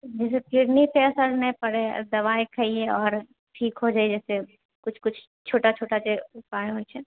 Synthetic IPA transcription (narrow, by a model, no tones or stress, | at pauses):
d͡ʒɛːs̬ekɪɾnipɛːsəɾnəpɐɽed̪ɐʋaːekʰəieɔːɾ | ʈʰiːkɦod͡ʒaːid͡ʒɛːse | kʊt͡ʃʰkʊt͡ʃʰ | t͡ʃʰoːʈat͡ʃʰoːʈaseʊpaːeɦoet͡ʃʰɛ